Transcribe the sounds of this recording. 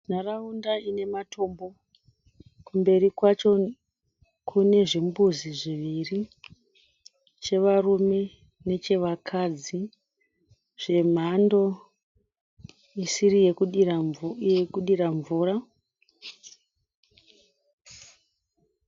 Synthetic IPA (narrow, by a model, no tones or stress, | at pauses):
n̤araundaine̞matʰo̞mbo̞ | kumbe̞ɾikwat͡ʃo̞ | kʰune̞ʐimbuziʐiʋiri | t͡ʃe̞ʋarume̞ | ne̞t͡ʃe̞ʋakʰad͡zi | ʐ̥e̞m̤ando̞ | isiɾije | ekuɗiɾaɱvuːra